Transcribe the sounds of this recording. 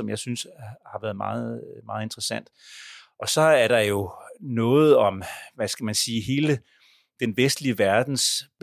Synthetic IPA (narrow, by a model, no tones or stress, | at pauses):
ɒ̽mjɑ̈ɪsynshɑ̈ʋæɐðˠmɑ̰̈ːð̩ˠmɑ̈ːð̞̩ˠe̝nd̥ʁɐsæn̰d̥ʔɒ̽sɒ̽æɐɾ̥ɑ̈jo̝nɔ̽ːð̞̩ˠɒ̽mʋæsɡ̥æmænsiːɦe̝ːlə | d̥enʋesd̥liəʋæɐd̥n̩s